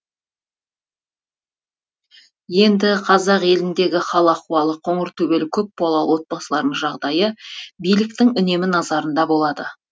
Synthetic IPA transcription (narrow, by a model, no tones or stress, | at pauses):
je̞nd̪ɪqʰɑzɑqe̞lɪnd̪e̞ɡʲɪχɑlˠəɑquɑlˠəqʰo̞ɴəɾt̪ʰɵbe̞lɪkʲʰɵp̚bɑlˠɑlˠwo̞t̪̚bɑsəlˠɑɾnəɴʒɑʁd̪ɑjəbijlɪk̚t̪ɪŋʏne̞mɪnɑzɑɾənd̪ɑbo̞lˠɑd̪ə